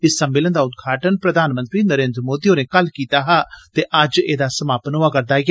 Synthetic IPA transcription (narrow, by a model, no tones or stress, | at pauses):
ɪsːəmːɪlənd̪aːʊd̪̚ɡʱaːʈənpɾəd̪ʱaːnmə̃nt̪ɾiːnəɾeːnd̪ɾəmoːd̪iːõːneːkəlkiːt̪aːɦaːt̪eːʔəd͡ʒeːd̪aːsəmaːpənoaːkəɾd̪aːɡ